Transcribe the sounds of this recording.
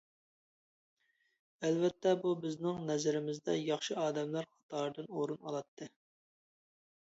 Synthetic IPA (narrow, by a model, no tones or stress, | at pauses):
ælvɛt̪ʰːɛbubɪznɪŋnɛzɪɾɪmɪzd̪ɛjɑχʃɨɑːd̪ɛmlɑɾχɑ̥t̪ʰɑːɾd̪ɨnoɾunɑ̰lˠɑt̪ʰːɨ